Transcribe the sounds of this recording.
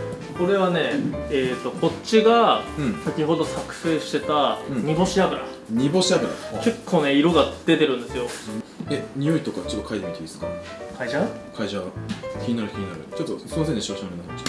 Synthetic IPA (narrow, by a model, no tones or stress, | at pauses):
oko̞ɾe̞βane̞eːt̪ːo̞ko̞t͡ɕːiɡãɴsakʲiɦo̞d̪o̞sakɯ̟̥se̞ːɕi̥t̪e̞t̪ãɲ̟ibo̞ɕiabɯ̟ɾa̰ | ɲ̟ibo̞ɕiabɯ̟ɾa̰ke̞kʰːo̞ːne̞iɾo̞ɡad̪̥e̞t̪e̞ɾɯ̟̃nd̪e̞sɨjo̞eɲ̟ijo̞it̪o̞kat͡ɕot̪ːokʰait̪emit̪eisɨ̥ka | kʰaiʑakʰaiʑakʲiɲinaɾɯ̟kʲiɲ̟inaɾɯ̟t͡ɕot̪ːosonseneɕiaɕomɾenːahḁi̥